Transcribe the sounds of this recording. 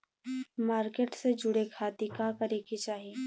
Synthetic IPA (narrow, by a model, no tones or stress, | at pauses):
maːɾkeːʈsed͡ʒʊɽekʰaːt̪ikakɐɾeːkit͡ʃaːɦie